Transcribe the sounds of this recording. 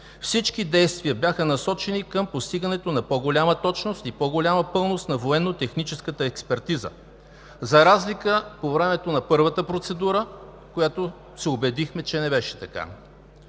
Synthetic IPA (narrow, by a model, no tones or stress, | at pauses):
fsit͡ʃkid̪ɛjst̪viəbjʲaxənɐsɔt͡ʃɛnikəmpost̪iɡənɛt̪onɐpɔɡolʲamət̪ɔt͡ʃnost̪ipɔɡolʲaməpɤlˠnost̪nɐvoɛnːot̪ɛxnit͡ʃɛskət̪əɛkspɛɾt̪izə̰ | zɐɾazlikəpovɾɛmɛt̪onɐpɤɾvət̪əpɾot̪sɛd̪uɾə | kojat̪o | sɛobɛd̪ixmɛt͡ʃɛnɛbɛʃɛ̥t̪ɐka̰